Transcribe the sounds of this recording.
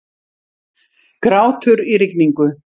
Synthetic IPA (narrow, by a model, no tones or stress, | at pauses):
kɾaːwt̪ʰʏɾiɾɪkniŋkʏ